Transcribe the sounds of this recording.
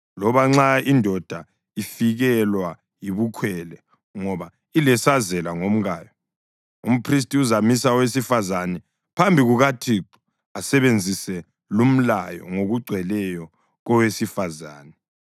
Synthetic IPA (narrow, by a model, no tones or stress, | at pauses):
lɔβaŋ͡ǁaindʱɔd̥ʱa | ifiɣɛlwa | jiβukʰwɛlɛ | ŋɔβa | ilɛsazɛlaŋom̩ɣaːjɔ | um̩pʰris̬tʼiuzamisawesifazanɛ | pʰambʱiɣuɣatʰiǃu̥ | asɛβend͡zʱisɛ | lum̩lajɔ̰ŋoɣuɡ͡ǀʱwɛlɛjɔ | ɣɔwesifaza̰ːnɛ